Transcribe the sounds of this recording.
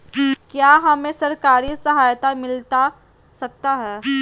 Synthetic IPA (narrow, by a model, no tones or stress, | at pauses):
kjaːɦɐmẽsɐɾkaːɾisɐɦaːjt̪amɪlt̪a | sɐk̚t̪aɦɛː